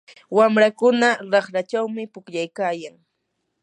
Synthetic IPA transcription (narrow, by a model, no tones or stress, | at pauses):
wamɾakʊnaɾɑχɾat͡ʃawmɪpʊkʎajkaːjaŋ